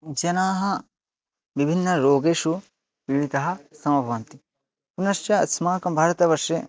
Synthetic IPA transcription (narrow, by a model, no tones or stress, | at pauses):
d͡ʒɐnaːɦɐ̆ | ʋibʱinːɐɾoːɡeːʃu | ʋiʋid̪ɐɦɐ̆sɐm̃ɐbʱɐʋɐnt̪i | punɐʃjɐɐt̪smaːkɐbʱaːɾɐt̪ɐʋɐɾʂe